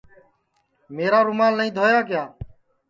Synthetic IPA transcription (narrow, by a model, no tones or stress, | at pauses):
meːɾaːɾʊmaːlːəĩːd̪ʱoːjaːkɪjaː